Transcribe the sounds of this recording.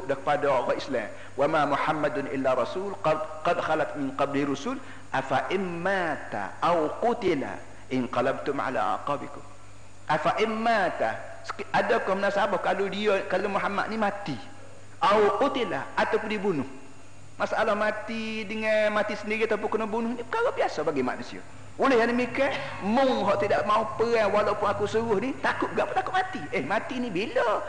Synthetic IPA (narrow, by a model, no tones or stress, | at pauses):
ʔdakə̥padaɔɣɔɪsla̰m | wamamuħamːad̪nʔɪ̰lːaɾˤɑsuːlqqɑd̪xalat̪mɪnqɑblirusʊl | ʔafaʔɪnmat̪a̰ʔawqʊt̪ɪla̰ | ʔɪnqɑlab̚t̪ʊmʕa̰la̰ʔa̰qɑːbɪkʊm | ʔafaʔɪnmat̪a | skʔadakɔhmənasabɔhkalodiakalomuħamːa̰d̪̚nimat̪i | ʔawqut̪ila̰at̪awpʊndibunʊh | masaʔalahmat̪idəŋanmat̪isəndiɾiat̪awp̬ʊnkənɔhbunʊhnipəkaɣabiasɔbaɡima̰ʔnusḭɔ̰ | ulɪhjandəmikaʔ | mʊŋɦɔʔt̪idaʔmaupəaŋwalawpʊnakusuɾʊhnit̪akʊʔ̚ɡaʔpʊnt̪akʊʔ̪̚mat̪iʔəhmat̪inibilɔ